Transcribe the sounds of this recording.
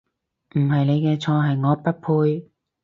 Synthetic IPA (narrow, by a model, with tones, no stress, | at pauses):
m̩˨˩ɦɐ˨jne˨˧jkɛː˧t͡sʰɔː˧ɦɐ˨jŋɔː˨˧pɐ˥t̚pʰuː˧j